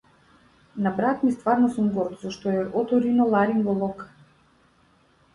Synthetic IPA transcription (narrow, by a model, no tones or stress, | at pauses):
nabɾat̪mist̪vaɾnɔsumɡɔɾt̪zɔʃt̪ɔɛʔɔt̪ɔɾinɔlˠaɾinvɔlˠɔk